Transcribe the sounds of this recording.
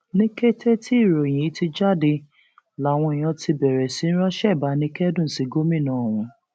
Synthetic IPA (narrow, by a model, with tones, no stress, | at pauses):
nĩ˦ke˦tʰe˦tʰi˦˨ɾo˨j̃ĩ˨i˨˦ti˧d͡ʒa˦˨de˧ | la˨˦˨w̃ɔ̃˧i˨j̃ã˧ti˧bɛ˨ɾɛ˨si˨˦n̩˦ɾɔ˦ʃɛ˦˨ba˨˦nĩ˦kɛ˦dũ˦˨si˨˧ɡo˦mĩ˦˨nãː˦˨w̃ũ˧